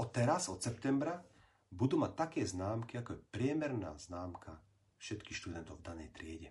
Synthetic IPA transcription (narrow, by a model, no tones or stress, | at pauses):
ɔt̪ɛɾazɔt̪sɛp̚t̪ɛmbɾa | bud̪uːmac̚t̪akɛːznaːmkiakɔjɛpɾɪɛmɛɾna̰ːznaːmkʰa | fʃɛt̪kixʃt̪ud̪ɛnt̪ɔʊvd̪anɛjt̪ɾɪɛɟɛ